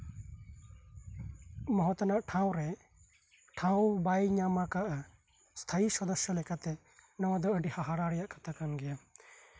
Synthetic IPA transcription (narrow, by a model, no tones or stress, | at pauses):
mɔɦɔt̪ɔnaʔʈʰaw̃ɾɛ | ʈʰawbajɲamakaʔa | st̪ʰaisɔd̪ɔsjɔlɛkat̪ɛ | nawad̪ɔəɖihaɦaɽaɽɛjaʔkʰat̪ʰakanɡɛja